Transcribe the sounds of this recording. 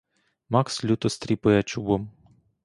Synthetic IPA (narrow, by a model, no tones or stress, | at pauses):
mɑkslʲut̪ɔst̪ɾʲipʊjat͡ʃubɔm